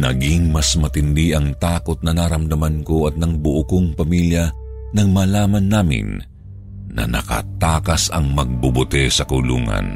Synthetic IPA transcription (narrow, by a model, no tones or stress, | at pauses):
nɐɡiŋmɐsmɐt̪ɪnd̪iʔɐŋt̪aːkot̪̚nɐnaɾɐmd̪ɐmɐnkoʔɐt̪̚nɐŋbʊʔʊkoŋpɐmiljɐnɐŋmaːlaːmɐnːaːmɪ̰nː | ɐ̰nɐ̰kɐ̰t̪aːkɐsɐŋmɐɡ̚bʊbʊt̪ɛsɐkʊlṵːŋɐ̰n